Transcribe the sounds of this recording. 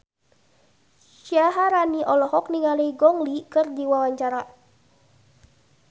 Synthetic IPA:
ʃjaɦaɾaniʔɔlɔɦɔk̚niŋaleiɡɔŋlikɨrdiwawaɲt͡ʃaɾa

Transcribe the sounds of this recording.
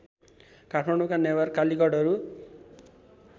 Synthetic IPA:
kaʈʰmaɳɖukanebʌrkalikʌɽʌɾu

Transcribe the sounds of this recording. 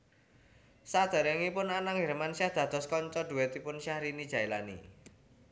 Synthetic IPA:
sad̪̥a̤ɾɛŋipʊnanaŋɦɛɾmansahd̪̥ä̤d̪̥ɔ̤skɔɲt͡ʃɔd̪̥ṳwɛt̪ipʊnʃahɾinid̥ʒ̥a̤ilanḭ

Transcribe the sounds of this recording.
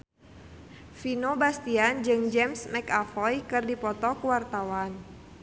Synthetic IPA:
finobast̪iand͡ʒɨŋd͡ʒɛmsmɛkafɔjkɨrdipɔt̪ɔkuwart̪awan

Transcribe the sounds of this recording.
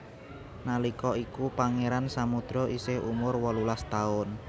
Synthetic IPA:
nalikɔikupaŋeɾansamud̪̥ɾɔʔisɪhṵmʊrwɔlulast̪aʊn

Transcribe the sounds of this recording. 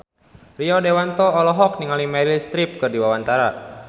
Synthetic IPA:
riɔdewant̪ɔːlɔɦɔk̚niŋalimɛɾilst̪ɾip̚kɨrdiwawant̪aɾa

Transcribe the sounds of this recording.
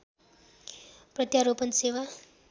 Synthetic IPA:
prʌt̪jaɾopʌnsewa

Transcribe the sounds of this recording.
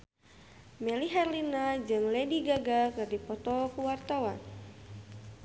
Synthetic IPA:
mɛliɦɛrlinad͡ʒɨŋlɛdiɡaɡakɨrdipɔt̪ɔkuwart̪awan

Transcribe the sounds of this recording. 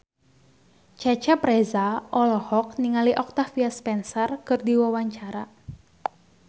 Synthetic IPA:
t͡ʃat͡ʃapɾɛzaʔɔlɔhɔk̚niŋaliʔɔk̚t̪afiaspɛnsɔrkɨrdiwawaɲt͡ʃaɾa

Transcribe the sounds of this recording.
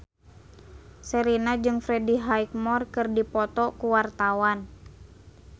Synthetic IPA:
səɾinad͡ʒɨŋfɾɛdiɦaik̚mɔrkɨrdipɔt̪ɔkuwart̪awan

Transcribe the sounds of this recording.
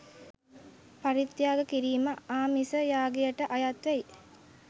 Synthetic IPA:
paɾit̪jaːɡəkiɾiːməaːmisəjaːɡejəʈəʔajat̪ʋæi

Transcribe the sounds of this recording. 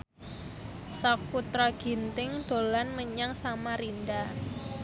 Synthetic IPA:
sɔkut̪ɾaɡ̥i̤nt̪ɪŋd̪̥o̤lanməɲaŋsamaɾinda

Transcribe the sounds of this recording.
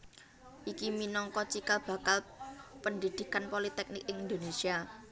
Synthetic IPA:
ʔikiminɔŋkɔt͡ʃikalb̥ä̤kalpənd̪id̪̥i̤kanpolit̪ɛk̚nɪkɪŋind̪onesia

